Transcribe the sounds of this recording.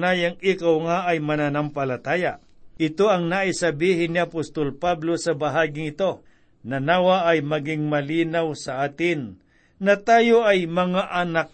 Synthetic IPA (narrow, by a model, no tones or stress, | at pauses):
najɐŋikɐwŋaʔɐjmɐnanɐmpɐlɐt̪aːja | ʔɪt̪o̞ɐŋnaʔɪsɐbiːɦɪnːiɐpost̪olpablo̞sɐbɐɦaːɡɪŋɪt̪o̞ | nɐnaːwɐʔɐjmɐɡɪŋmɐliːnawsɐʔaːt̪ɪn | nɐt̪aːjoʔɐjmɐŋaʔɐnak̚